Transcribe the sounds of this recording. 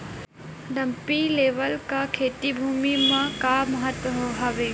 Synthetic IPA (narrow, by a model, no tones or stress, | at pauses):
ɖɐmpileːʋəlkakʰeːt̪ibʱuːmimãkamɐɦət̪ʋəɦoɦɔʋeː